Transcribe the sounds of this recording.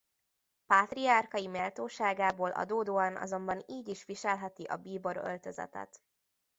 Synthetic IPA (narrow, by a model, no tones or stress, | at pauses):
paːt̪riɒrkɒjimeːlt̪oːʃaːɡaːboːlʔɒ̰d̪oːd̪oːɒnʔɒ̰zo̞mbɒniːɟiʃʋiʃɛlɦɛt̪iʔɒbiːbo̞ɾø̰lt̪øzɛ̰t̪ɛ̰t̪